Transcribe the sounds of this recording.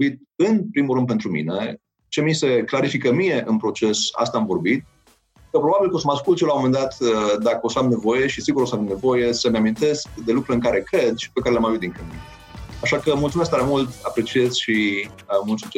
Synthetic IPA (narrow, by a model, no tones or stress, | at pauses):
it̪̚ɨnpɾimulɾɨn̚pe̞nt̪ɾumḭne | t͡ʃe̞mise̞klaɾifikəmije̞ʔɨnpɾo̞t͡ʃe̞sa̰st̪aːmvo̞rbit̪̚ | kəpɾo̞babilkəos̬əmaskult̪ʃjelamo̞mend̪at̪əd̪akəo̞səamne̞vo̞je̞ʃisiɡuɾosəamne̞vo̞je̞səmeamint̪e̞skd̪e̞lukɾuɨŋkaɾe̞kɾe̞d̪ʃi̥pekaɾelamaveud̪ĩŋkɨin | aʃakəmult̪sumesk̚t̪aɾemult̪apɾe̞t͡ʃiez̥ʲʃi | mult̪si